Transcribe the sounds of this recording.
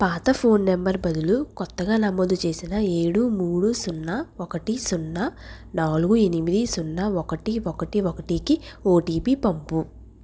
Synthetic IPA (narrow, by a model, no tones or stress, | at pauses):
paːt̪ɐpʰo̞ːnːembɐɾbɐd̪ulukɔt̪ːɐɡaːnɐmoːd̪ut͡ʃe̞ːsinɐe̞ːɽumuːɽusunːɐɔkɐʈisunːɐ | naːluɡue̞nimid̪isunːɐɔkɐʈiɔkɐʈiɔkɐʈiːkioːʈiːpipɐmpu